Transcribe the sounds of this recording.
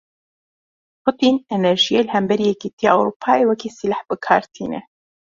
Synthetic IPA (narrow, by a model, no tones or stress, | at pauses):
pʰʊt̪iːnɛnɛɾʒijeːlhɛmbɛɾiːjɛkit̪ʰijaːʔɛwɾuːpʰaːeːwɛkiːsilaħbɨkʰaːɾt̪ʰiːnɛ̰